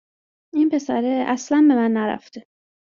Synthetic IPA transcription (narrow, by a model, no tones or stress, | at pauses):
inpʰe̞sæɾeæslænbe̞mænːæɾæ̰ft̪e